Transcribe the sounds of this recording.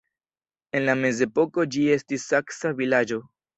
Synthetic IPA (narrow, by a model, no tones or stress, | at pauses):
e̞nlame̞ze̞po̞ko̞d͡ʒie̞stisːaksavilad͡ʒo̞